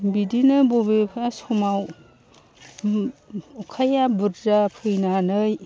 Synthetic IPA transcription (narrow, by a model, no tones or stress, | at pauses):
bidinɯbobepʰasumaw | ukʰajabuɾzapʰɯjnanɯj